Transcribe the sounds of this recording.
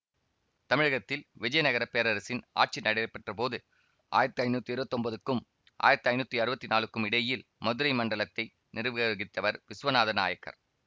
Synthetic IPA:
t̪ɐmɪɻɐɣɐt̪ːɪlʋɪd͡ʒɐjɐnɐɣɐɾɐpːeːɾɐɾɐsɪna̰ːʈ̚t͡ʃinɐɽɐɐpːɐʈrɐpoːðɯ | ʔa̰ːjɪɾɐt̪ːɯɐɪnuːt̪ːiɪɾɯbɐt̪ːɔmbɐðɯkːɯm | ʔa̰ːjɪɾɐt̪ːɯɐɪnuːt̪ːiɐɾɯbɐt̪ːinaːlɯkːɯmɪɽɐjɪlmɐðɯɾɐɪmɐɳɖɐɭɐt̪ːɐɪ | nɪrɯʋɐɣɐɣɪt̪ːɐʋɐɾʋɪsʋɐnaːðɐna̰ːjɐkːɐ̰ɾ

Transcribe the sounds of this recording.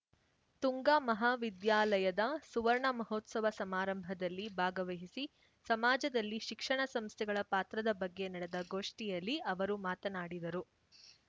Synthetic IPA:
t̪uŋɡaːmɐɦaːʋid̪jaːlɐjɐd̪ɐsuʋɐɾɳɐmɐɦoːt̪sɐʋɐsɐmaːɾɐmbʱɐd̪ɐlːibʱaːɡɐʋɐɦisi | sɐmaːd͡ʒɐd̪ɐlːiʃikʂɐɳɐsɐmst̪ʰɛɡɐɭɐpaːt̪ɾɐd̪ɐbɐɡːe̞nɐɽed̪ɐɡo̞ːʂʈijɐlːiʔɐʋɐɾumaːt̪ɐnaːɽid̪ɐɾu

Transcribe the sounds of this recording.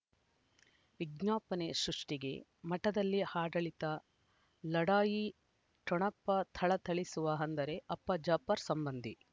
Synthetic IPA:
ʋiɡnaːpɐne̞sɾuʂʈiɡe̞̰mɐʈɐd̪ɐlːihaːɖɐɭit̪ɐ | lɐɽaːji | ʈɾɔɳɐpːɐt̪ʰɐɭɐt̪ʰɐɭisuʋɐɦɐnd̪ɐɾe̞ʔɐpːɐd͡ʒɐpːɐɾsɐmbɐnd̪ʱi

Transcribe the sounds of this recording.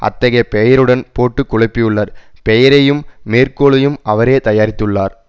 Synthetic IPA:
ʔɐ̰t̪ːɐɣɐjɐpɛjɐɾɯɽɐnpoːʈːɯkːʊɻɐpːɪjɯɭːɐɾpɛjɐɾɐjɯmːeːrkoːɭɐjɯmʔɐʋɐɾeːt̪ɐjaːɾɪt̪ːɯɭːaːɾ

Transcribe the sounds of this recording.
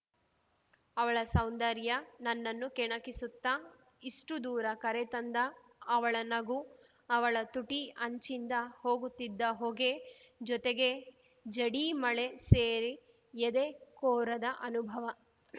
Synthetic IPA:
ɐʋɐɭɐsɐwnd̪ɐɾjɐnɐnːɐnːukɛɳɐkisut̪ːɐ | isʈud̪uːɾɐkɐɾet̪ɐnd̪ɐː | ʋɐɭɐnɐɡu | ɐʋɐɭɐt̪uʈiɐɲt͡ʃind̪ɐho̞ːɡut̪ːid̪ːɐɦoːɡed͡ʒɔt̪eɡe̞ | d͡ʒɐɽimɐɭe̞seːɾi | ed̪ekoːɾɐd̪ɐʔɐnubʱɐʋɐ

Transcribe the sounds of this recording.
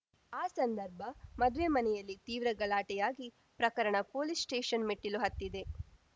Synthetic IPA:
aːsɐnd̪ɐɾbʱɐmɐd̪ʋemɐnɛjɐlːit̪iːʋɾɐɡɐɭaːʈɛjaːɡi | pɾɐkɐɾɐɳɐpoːlissʈeːʂɐnmiʈːiluɦɐt̪ːid̪e̞

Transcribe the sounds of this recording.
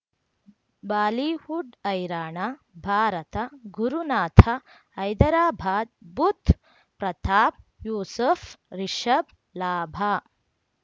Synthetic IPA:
baːliːhuɖɐjɾaːɳa | bʱaːɾɐt̪ɐɡuɾunaːt̪ʰɐː | jd̪ɐɾaːbʱaːd̪̚but̪ | pɾɐt̪ʰaːp̚juːsɐfɾiʃɐb̚ | laːbʱa

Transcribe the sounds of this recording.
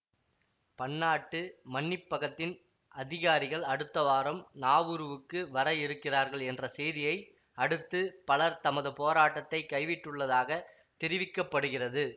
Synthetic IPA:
pɐɳːaːʈːɯmɐɳːɪpːɐɣɐt̪ːɪn | ʔɐðɪɣaːɾɪɣɐɭɐɽɯt̪ːɐʋaːɾɐmnaːʋɯɾɯʋɯkːɯʋɐɾɐjɪɾɯkːɪraːɾɣɐɭɛndrɐsɛjðɪjɐɪ | ɐɽɯt̪ːɯpɐɭɐɾt̪ɐmɐðɯpoːɾaːʈːɐt̪ːɐɪkːɐɪʋɪʈːɯɭːɐðaːɣɐ | t̪ɪɾɪʋɪkːɐpːɐɽɯɣɪrɐðɯ

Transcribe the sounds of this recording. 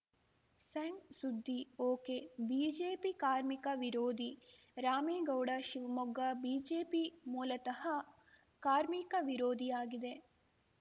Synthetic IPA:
sɐɳsud̪ʱːioːkebiːd͡ʒeːpikaːɾmikɐʋiɾoːd̪ʱi | ɾaːmeːɡɐwɽɐʃiʋɐmuɡːɐbiːd͡ʒeːpimuːlɐt̪ɐhɐ | kaːɾmikɐʋiɾoːd̪ʱijaːɡid̪e

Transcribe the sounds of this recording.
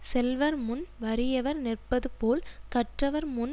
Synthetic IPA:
sɛlʋɐɾmʊnʋɐɾɪjɐʋɐɾnɪrpɐðɯpoːlkɐʈrɐʋɐɾmʊn

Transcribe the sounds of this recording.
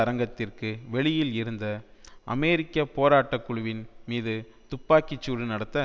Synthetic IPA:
ɐɾɐŋɡɐt̪ːɪrkɯʋɛɭɪjɪlɪɾɯnd̪ɐʔɐ̰mɛːɾɪkːɐpoːɾaːʈːɐkːʊɻʊʋɪnmiːðɯ | t̪ʊpːaːkɪt͡ʃːuːɽɯnɐɽɐt̪ːɐ

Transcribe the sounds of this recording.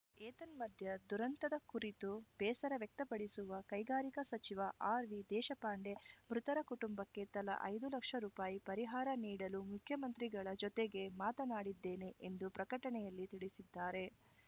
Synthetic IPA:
eːt̪ɐnmɐd̪ʱjɐd̪uɾɐnt̪ɐd̪ɐkuɾit̪ub̥ɛːsɐɾɐʋjɐk̚t̪ɐpɐɽisuʋɐkɐjɡaːɾikɐsɐt͡ʃiʋɐʔaːɾʋid̪ɛːʃɐpaːɳɖe̞mɾut̪ɐɾɐkuʈumbɐkːe̞t̪ɐlɐ̰ʔɐ̰jd̪ulɐkʂɐɾuːpaːjipɐɾiɦaːɾɐniːɽɐlumukʰjɐmɐnt̪ɾiɡɐɭɐd͡ʒɔt̪eɡe̞maːt̪ɐnaːɽid̪ːeːne̞ʔend̪upɾɐkɐʈɐɳɛjɐlːit̪iɽisid̪ːaːɾe̞

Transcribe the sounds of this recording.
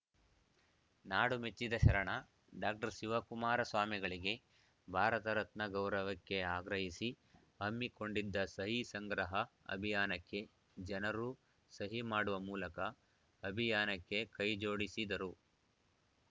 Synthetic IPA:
naːɽumet͡ʃːid̪ɐʃɐɾɐɳɐ | ɖaːk̚ʈɐɾʃiʋɐkumaːɾɐsʋaːmiɡɐɭiɡe̞ | bʱaːɾɐt̪ɐɾɐt̪nɐɡɐwɾɐʋɐkːe̞aːɡɾɐɦisi | ɦɐmːiko̞ɳɖid̪ːɐsɐɦisɐŋɡɾɐɦɐɐ̰bʱijaːnɐkːe̞ | d͡ʒɐnɐɾu | sɐɦimaːɽuʋɐmuːlɐkɐː | bʱijaːnɐkːe̞kɐjd͡ʒo̞ːɽisid̪ɐɾu

